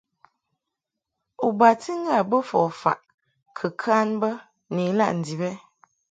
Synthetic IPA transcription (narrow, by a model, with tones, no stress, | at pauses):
u˨ba˨ti˦ŋ̩˦ɡa˦˨bə˦fɔ˨fa̰˨ʔ | kʰə˨kʰa˦nbə˦ | ni˨˦la̰˦ʔn̩˨di˨bɛ˦